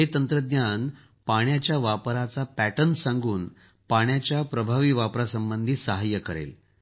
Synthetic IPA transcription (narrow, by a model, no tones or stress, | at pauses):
ɦet̪ənt̪ɾəd̪njan | paɳjat͡ɕjaʋapɾat͡sapæʈənsãŋɡuːn | paɳ̃jat͡ɕjapɾəbʱaʋiːʋapɾasəmbənd̪ʱiːsəɦajəkəɾḛl